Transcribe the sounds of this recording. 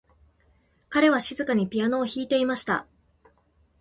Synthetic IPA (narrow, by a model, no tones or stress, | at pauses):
kaɾe̞β̞aɕizɨkaɲ̟ipʲiano̞ːçiːt̪e̞imaɕi̥t̪a̰